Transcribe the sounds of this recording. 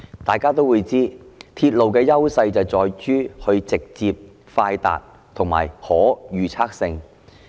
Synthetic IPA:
t̪aː˨jkaː˥t̪o˥wuː˨˧jt͡siː˥t̪ʰiː˧t̚lo˨wkɛː˧jɐ˥wsɐ˧jt͡sɐ˨˩wt͡sɔː˨˧jt͡ʃyː˥hɵ˧ɥt͡sɪ˨k̚t͡siː˧p̚ | faː˧jt̪a̰ː˨t̚ | t̪ʰʊ˨˩ŋma̰ː˨˩jhɔː˨˥jyː˨˩t͡sʰaː˥k̚sɪ˧ŋ

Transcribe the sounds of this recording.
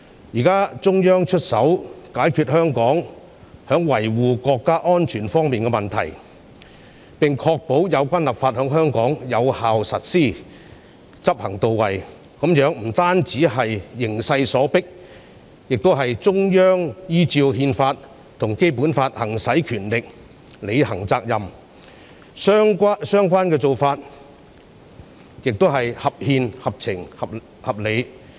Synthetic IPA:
jiː˨˩kaː˥t͡sʊ˥ŋjœː˥ŋt͡ʃʰɵ˥t̚sɐ˨˥wkaː˨˥jkʰyː˧t̚hœː˥ŋkɔː˨˥ŋ | hœː˨˥ŋwɐ˨˩jwuː˨˩kɔː˧kːaː˥ʔɔː˥nt͡ʃʰyː˨˩nfɔː˥ŋmiː˨nkɛ˧mɐ˨˩nt̪ʰɐ̰˨˩j | pɪ˨ŋkʰɔː˧k̚po˨˥wjɐ˨˧wkʷaː˥nlɐ˨p̚faː˧t̚hœː˨˥ŋɦœː˥ŋkɔː˨˥ŋjɐ˨˧whaː˨wsɐ̰˨t̚siː˥ | t͡sɐ˥p̚hɐ˨˩ŋt̪o˨wwɐ˨˩j | kɐ˨˥mjœː˨˥ŋm̩˨˩t̪aː˥nt͡siː˨˥ɦɐ˨jːɪ˨˩ŋsɐ˧jsɔː˨˥pɪ˥k̚ | jɪ˨k̚t̪o˥ɦɐ˨jt͡sʊ˥ŋjœː˥ŋjiː˥t͡siː˧wɦiː˧nfaː˧t̚ | t̪ʰʊ˨˩ŋke˥jpuː˨˥nfaː˧t̚hɐ˨˩ŋsɐ˨˥jkʰyː˨˩nlɪ˨k̚ | le˨˧jɦɐ˨˩ŋt͡saː˧k̚jɐ˨m˥ | ŋkːsœː˥ŋk̬ʷaː˥nkɛː˧t͡so˨wfaː˧t̚ | jɪ˨k̚t̪o˥ɦɐ˨jhɐ˨p̚hiː˧nhɐ˨p̚t͡sʰɪ˨˩ŋhɐ˨p̚ | hɐ˨p̚le˨˧j

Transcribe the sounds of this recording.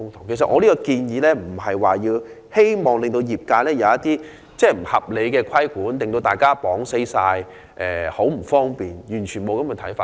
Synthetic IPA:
ʊ˥ŋt̪ʰʊ˨˩ŋkʰe˨˩s̬ɐ˨t̚ʔɔː˧li˥kɔ˧kiː˧njiː˨˧lɛː˥m̩˨˩ɦɐ˨jwaː˨jiː˧w | he˥jmɔː˨˩ŋlɪ˨ŋt̪o˧wjiː˨p̚kaː˧lɛː˥jɐ˨˧wɐ˦˥t̚t̪iː˥ | t͡sɛː˥˩m̩˨˩hɐ̰˨˩p̚le˨˧jkɛː˧kʰɐ˥jkuː˨˥nt̪ŋt̪o˧wt̪aː˨˩jkaː˥pɔː˨˥ŋse˥jsaː˧j | ʔɛː˨ho˨˥wm̩˨˩fɔː˥ŋpiː˨njyː˨˩nt͡ʃʰyː˨˩nmo˨˧wkɐ˥mɛ˨˧t̪ʰɐ˨˥jfaː˧

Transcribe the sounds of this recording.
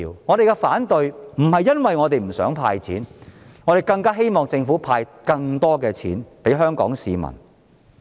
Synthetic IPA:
wŋɔː˨˧ɾe˨jkɛ˧faː˨˥nt̪ɵ˨˧jm̩˨˩hɐ˨jːɐ˥nwɐ˨jŋɔː˨˧t̪e˨jm̩˨˩sœː˨˥ŋpʰaː˧jt͡sʰiː˨˥nŋɔː˨˧ɾe˨˩jkɐ˧ŋkaː˥ɦe˥jmɔː˨ŋt͡sɪ˧ŋfuː˨˥pʰaː˧jkɐ˧ŋt̪ɔː˥kɛː˧t͡sʰḭː˨˥npe˨˥jɦœː˥ŋkɔ̰ː˨˥ŋsiː˨˧mɐ̰˨˩n

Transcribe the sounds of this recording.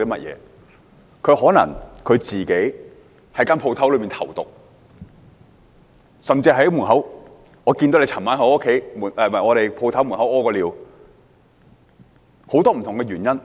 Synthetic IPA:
iː˥mɐ˥t̚jɛ̰ː˨˧ | kʰɵ˨˧ɥhɔː˨˥nɐ̰˨˩ŋkʰɵ˨˧ɥt͡siː˨ke˨˥j | hɐ˨˥jkaː˥npʰwt̪ʰwlɵ˨˧ɥmiː˨nt̪ʰɐ̰˨˩wt̪ʊ̰˨k̚ | sɐ˨mt͡siː˧˨˥muː˨˩nɦɐ˨˥w | ŋɔː˨˧kiː˧nt̪o˨˥wle˧t͡sʰɐ˨˩nmaː˨˥nɦo˨˥o˥kʰe˨˥jmu˨˩n˨˩mɐ˨˩ŋɔː˨˧ɾe˨jpʰo˧wt̪ʰɐ˨˥wmu˨˩nɦɐ˨˥wɔː˥kɔː˧liː˨w | ho˨˥wt̪ɔː˥m̩˨˩t̪ʰʊ˨ŋkɛ˧ɥyː˨˩njɐ˥n

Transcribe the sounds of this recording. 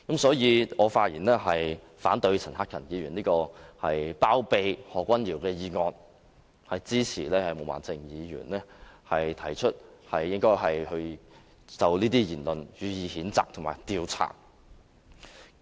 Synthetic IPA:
kɐ˨˥msɔː˨˥jiː˧ŋɔː˨˧faː˧t̚jiː˨˩nlɛː˥ɦɐ˨j | faː˨˥nt̪ɵ˧ɥt͡sʰɐ˨˩nɦaː˥kʰɐ˨˩njiː˨˧ɥyː˨˩nliː˥kɔː˧hɐ˨jpaː˥wpe˨jhɔː˨kʷːwɐ˥njiː˨˩wkɛː˧jiː˨˧ŋɔː˧n | hɐ˨jt͡siː˥t͡sʰiː˨˩lɛː˥hɐ˨jmo˨˧wa̰ː˨nt͡sɪ˧ŋjiː˨˧ɥyː˨˩nlɛː˥hɐ˨jt̪ʰɐ˨˩jt͡ʃʰɵ˥t̚hɐ˨jːɪ˥ŋkɔː˥jɦɐ˨jhɵ˧ɥ | t͡sɐ˨wliː˥t̪iː˥jiː˨˩nlɵ˨njyː˨˧jiː˨˧hiː˨˥nt͡sa̰ː˨k̚t̪ʰʊ˨˩ŋmaː˨˩jt̪iː˧wt͡sʰa̰ː˨˩

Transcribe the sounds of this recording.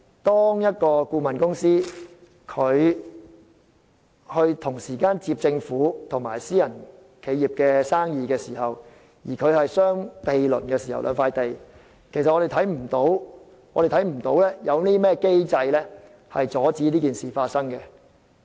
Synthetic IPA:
t̪ɔː˥ŋjɐ˥t̚kɔː˧kuː˧mɐ˨˩nkʊ˥ŋsiː˥ | kʰɵ˨˧ɥ | hɵ˧ɥt̪ʰʊ˨˩ŋsiː˨˩kaː˥nt͡siː˧p̚t͡sɪ˧ŋfuː˨˥t̪ʰʊ˨˩ŋmaː˨˩jsiː˥jɐ˨˩n | kʰe˨˧jiː˨p̚kɛː˧saː˥ŋjiː˨˧kɛː˧siː˨˩hɐ˨w | jiː˨˩kʰɵ˨˧ɥhɐ˨jsœː˥ŋpe˨jlɵ̰˨˩nkɛː˧siː˨˩hɐ̰˨˩wlʔœ̰ː˨˧ŋfaː˧jt̪e˨j | kʰjsɐ˨ʔɔː˨˧ɾe˨jt̪ʰjm̩˨˩t̪o˨˥w | ɔː˨˧ɾe˨jt̪ʰɐ˨˥jm̩˨˩t̪o˨˥wlɛː˥jɐ˨˧wniː˥mɛː˥ke˥jt͡sɐ˧jlɛː˥ | hɐ̰˨jt͡sɔː˨˥t͡siː˨˥liː˥kiː˨˩nsiː˨˩faː˧t̚sɐ˥ŋkɛ˧

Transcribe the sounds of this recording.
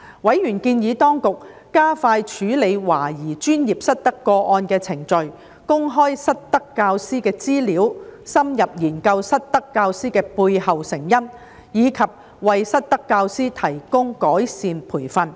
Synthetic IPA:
wɐ˨˥jjyː˨˩nkiː˧njiː˨˥t̪ɔː˥ŋkʊ˨k̚ː | aː˥faː˧jt͡ʃʰyː˨˥le˨˧jwaː˨˩jiː˨˩t͡ʃyː˥nji˨p̚sɐ˥t̚t̪ɐ˥kːɔː˧ʔɔː˧nkɛː˧t͡sʰɪ˨˩ŋt͡ʃɵ˨ɥ | kʊ˥ŋɦɔː˥jsɐ˥t̚t̪ɐ˥kːaː˧wsiː˥kɛː˧t͡siː˥liː˨˥wsɐ˥mjɐ˨p̚jiː˨˩nkɐ˧wsɐ˥t̚t̪ɐ˥kːaː˧wsiː˥kɛː˧puː˧jhɐ˨wsɪ˨˩ŋjɐ˥n | jiː˨˧kʰɐ˨p̚ | wɐ˨jsɐ˥t̚t̪ɐ˥kːaː˧wsiː˥t̪ʰɐ˨˩jkʊ˥ŋkɔː˨˥jsiː˨npʰuː˨˩jfɐ˨˧n

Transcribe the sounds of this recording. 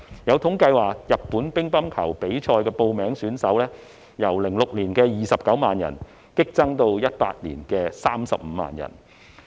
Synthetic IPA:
jɐ˨˧wt̪ʰʊ˨˥ŋkɐ˧jwaː˨˩kjɐ˨t̚puː˨˥npɪ˥ŋpɐ˥mkʰɐ˨˩wpe˨˥jt͡ʃʰɔː˧jkɛː˧po˧wmɛː˨˥ŋsyː˨˥nsɐ˨˥wlɛː˥ | jɐ˨˩wlɪ˨˩ŋlʊ˨k̚liː˨˩nkɛː˧jiː˨˩sɐ˨p̚kɐ˨˥wmaː˨njɐ̰˨˩n | kɪ˥k̚t͡sɐ˥ŋt̪o˧wjɐ˥t̚pa̰ː˧t̚lḭː˨˩nkɛː˧saː˥msɐ̰˨p̚m̩ː˨˧˦ma̰ː˨njɐ̰˨˩n

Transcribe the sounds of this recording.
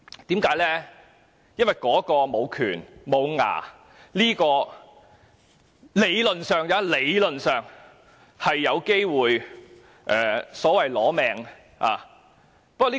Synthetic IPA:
t̪iː˨˥mkaː˨˥jlɛː˥ | jɐ˥nwɐ˨˩jkɔː˨˥kɔː˧mo˨˧wkʰyː˨˩nmo˨˧wŋa̰ː˨˩ | liː˥kɔː˧ | le˨˧jlɵ˨nsœː˨ŋjaː˨˧˥le˨˧jlɵ˨nsœː˨ŋ | hɐ˨jːɐ˨˧wke˥jwuː˨j | ʔɛː˨sɔː˨˥wɐ˨jlɔː˨˥mɛː˨ŋ | ʔa̰ː˨˩ | pɐ˥k̚ɔ˧˥iː˥

